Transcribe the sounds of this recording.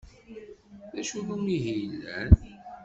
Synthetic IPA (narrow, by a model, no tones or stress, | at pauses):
ðæʃuðumiɦijlːæ̰n